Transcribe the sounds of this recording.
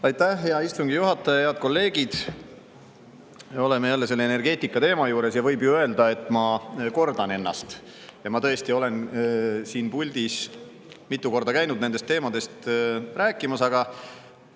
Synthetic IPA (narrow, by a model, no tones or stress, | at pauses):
ɑjt̪ˑːæhɦeɑist̪uŋɡ̥ijuɦɑt̪ˑːɑjɑheɑd̪̚ko̞lːe̞ːɡ̥id̪̥ | o̞le̞mejælːe̞se̞lːeene̞rɡ̥e̞ːt̪ːˑikːˑɑt̪e̞ːmɑjuːɾe̞sjɑvɤjbjuø̞ld̪ɑe̞t̪ːˑmɑko̞rd̪̥ɑne̞nːɑ̰st̪ | jɑmɑt̪ɤ̞est̪io̞le̞nsiːnpulʲd̪is | mit̪ːˑuko̞rd̪ɑkæjnud̪̥̚ne̞nd̪est̪ːeːmɑd̪̥e̞st̪ræːkːˑimɑsɑɡ̥ɑ